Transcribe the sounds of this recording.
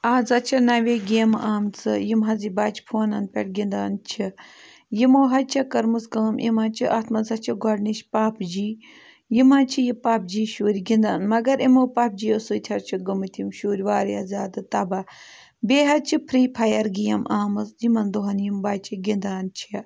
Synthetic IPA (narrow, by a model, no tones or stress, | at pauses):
aːzɐt͡ʃʰinɐʋeːɡeːmaːmt͡sʰɨjimɦɐzibaːt͡ʃʰpʰoːnɐnpʲeʈɡind̪aːnt͡ʃʰi | jimoːɦɐt͡ʃʰɐkɐɾmɨsɡɐːmʔḭmɐ̃nt͡ʃʰiʔɐt̪ʰmɐzɐt͡ʃʰiɡɔɽniʃpaːpd͡ʒiː | jimɐt͡ʃʰijipaːp̚d͡ʒiːʃuːɾʲiɡind̪aːnmɐɡɐɾimoːpɐp̚d͡ʒiːosuːt̪ʲʰɐɾt͡ʃʰiɡɐmɨt̪ʰimʃuːɾʲʋaːɾiɐzʲaːd̪ɨt̪ɐbɐ | beːɦɐt͡ʃʰipʰɾiːpʰɐjɐɾɡijɐmaːmɨsd͡ʒimɐnd̪oɦɐnjimbaːt͡ʃʰiɡind̪aːnt͡ʃʰi